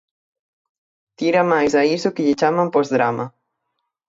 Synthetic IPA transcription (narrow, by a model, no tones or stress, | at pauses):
t̪iɾamajzaisokeʎet͡ʃamampozðɾa̰ma